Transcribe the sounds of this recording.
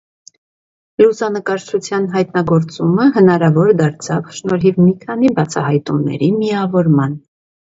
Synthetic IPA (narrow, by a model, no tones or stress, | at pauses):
lusɑnəkɑɾt͡ʃʰut͡sʰjɑnɦɑjt̪nɑɡɔɾt͡suməɦənɑɾɑvɔɾd̪ɑɾt͡sʰɑvʃnɔɾɦivmikʰɑnibɑt͡sʰɑ̰hɑjt̪umnɛ̰ɾimiɑvɔɾmɑn